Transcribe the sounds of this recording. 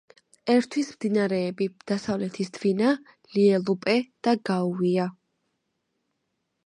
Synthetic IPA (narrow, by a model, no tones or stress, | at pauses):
ɛɾt̪ʰwismd̪inaɾɛːbid̪̥asavlɛt̪ʰisd̪vina | liɛlˠupʼɛd̪̥aɡauia